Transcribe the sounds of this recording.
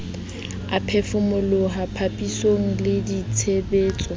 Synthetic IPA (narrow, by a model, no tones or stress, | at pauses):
apʰefʊmʊlʊɦapʰapʼisoŋ̩lɪditʰebeːt͡sʼɔ